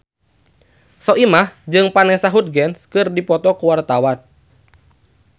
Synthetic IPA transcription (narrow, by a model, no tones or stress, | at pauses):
sɔʔimahd͡ʒɨŋpanɛsaɦut̪̚ɡɛnskɨrdipɔt̪ɔkuwart̪awan